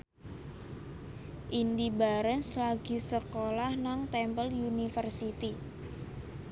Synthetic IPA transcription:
ʔindibaɾənslaɡ̥i̤səkolahnaŋt̪ɛmpəljunifərsit̪i

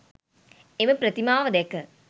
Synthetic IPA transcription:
eməpɾət̪imaːʋəd̪ɛkə

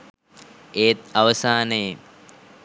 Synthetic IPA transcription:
eːt̪̚aʋəsaːnə

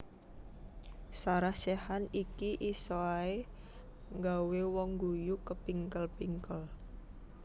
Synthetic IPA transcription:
saɾahsɛhanikiʔisoae | ŋɡawewɔŋɡujukəpiŋkəlpiŋkəl

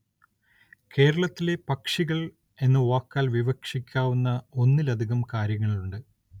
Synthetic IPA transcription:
ke̞ːɾɐɭɐt̪ːile̞pɐkʂiɣɐɭ | e̞nːɨʋaːkːaːlʋiʋɐkʂikʲːaːʋunːɐo̞nːilɐd̪ʱiɣɐmkaːɾjɐŋːɐɭɭuɳɖɨ

